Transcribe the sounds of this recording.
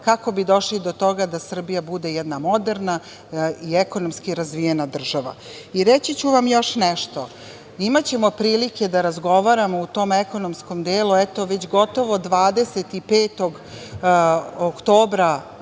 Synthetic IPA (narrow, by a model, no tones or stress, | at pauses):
kako̞bid̪o̞ʃlid̪o̞t̪o̞ɡad̪asr̩bijabud̪e̞jɛd̪namo̞d̪eɾna | iekonomskiɾazʋijenad̪r̩ʒaʋa̰ | iɾet͡ɕit͡ɕuʋamjo̞ʃnɛʃt̪o̞ | imat͡ɕemo̞pɾiːlikʲe̞d̪aɾazɡo̞ʋaɾamo̞ut̪o̞ːmeko̞nomsko̞md̪eːluɛt̪o̞ʋet͡ɕɡo̞t̪o̞ʋod̪ʋaːd̪e̞set̪ipeːt̪o̞ɡ | okt̪o̞ːbɾa